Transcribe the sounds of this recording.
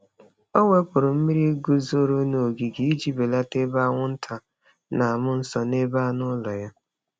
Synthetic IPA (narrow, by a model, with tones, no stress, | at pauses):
o˦ŋʷe˦k͡pʊ˨ɾʊ˨m̩˦mi˦ɾi˦ɡu˦zo˦ɾo˦no˨ɡi˨ɡi˨i˦d͡ʒi˦be˨la˦te˦ba˦ŋʷʊ˦n̩˦tʰa˨ | na˨a˨mʊ˦n̩˦sɔ˨ne˦ba˦nʊ˦lɔ˨ja˦